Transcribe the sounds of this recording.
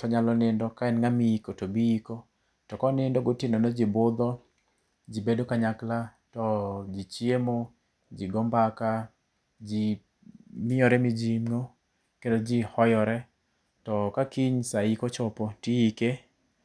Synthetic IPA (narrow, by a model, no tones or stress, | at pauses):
tɔɲalɔnɪndɔkaɛnŋamiikotobiiko | tɔkɔnɪndɔɡotɪnonod͡ʒibʊd̪ɔ | d͡ʒibedokaɲakla | tɔd͡ʒit͡ʃjemo | d͡ʒiɡɔmbaka | d͡ʒi | mɪjɔɾɛmɪd͡ʒimŋo | kendod͡ʒihɔjɔɾɛ | tɔkakiɲsaikot͡ʃɔpotiike